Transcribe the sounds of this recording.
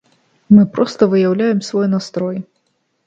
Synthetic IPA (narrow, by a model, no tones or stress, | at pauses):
mɨpɾɔst̪ɐvɨjawlʲajɛmsvɔjnast̪ɾɔj